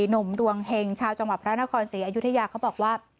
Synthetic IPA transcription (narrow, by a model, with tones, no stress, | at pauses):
nu˩˦mdu˧əŋhe˧ŋt͡ɕʰaː˧wt͡ɕa˧ŋwa˨˩pʰɾa˦˥na˦˥kʰɔː˧nsiː˩˦ʔa˧ju˦˥t̪ʰa˧jaː˧kʰa˦˥wbɔː˨˩k̚waː˥˩